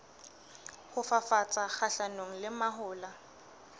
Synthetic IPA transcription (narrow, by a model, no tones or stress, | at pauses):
hʊfafat͡sʼak͡xaɬanoŋ̩lɪmaɦʊːla